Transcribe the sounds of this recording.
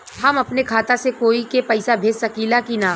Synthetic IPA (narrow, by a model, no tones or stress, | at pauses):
ɦɐmɐpnekʰaːt̪asekoːikepɐɪsabʱeːd͡ʒsɐkiːlakinaː